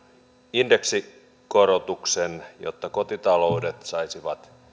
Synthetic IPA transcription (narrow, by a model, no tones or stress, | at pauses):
inde̞ksi | ko̞ɾot̪uksenjo̰t̪ːɑko̞t̪it̪ɑlowde̞t̪sɑisiʋɑt̪